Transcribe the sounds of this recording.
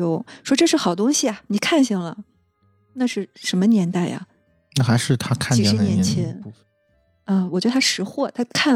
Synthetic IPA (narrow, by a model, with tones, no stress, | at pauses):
o˧˥ʊʂwɔ˥ʈ͡ʂɤ˥˧ʂɻ̩˥˩xɑ˨˩ʊt̪ʊ˥ŋɕi˨ɐ˩ni˨˩kʰa˥˧nɕɑ˥˩ŋlə˩ | na˥˧ʂɻ̩˥˩ʂə˧˥nmə˧njɛ˧˥nt̪a˥˩ɪʔɐ̰˩ | na˥˩xa˧˥ɪʂɻ̩˥˩t̪ʰa˥kʰa˥˩ni˧˩˧ʂɻ̩˥˧njɛ˧˥nt͡ɕʰjɛ˧˥nu˥˩ | ə˧wɔ˨˩t͡ɕɥdə˧t̪ʰa˥ʂɻ̩˧˥xwɔ˥˩t̪ʰa˥kʰa˥˩